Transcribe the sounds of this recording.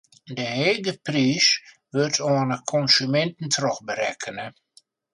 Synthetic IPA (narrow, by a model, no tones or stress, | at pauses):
dəheːɡəpriːs | ʋøtʰoənəkʰɔnsymɛntn̩tʰrɔxbəɾɛkʰənə